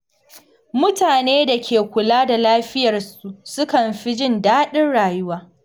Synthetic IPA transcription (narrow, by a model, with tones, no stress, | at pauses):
mʊ˦taː˨neː˦da˨kʲeː˨kʷʊ˨laː˦da˨laː˦ɸɪ˦jɐ˨rsu˨sʊ˦kɐ˨mɸi˦d͡ʒɪ˦ndaː˦ɗɪ˦nɽaː˨jʊ˦waː˦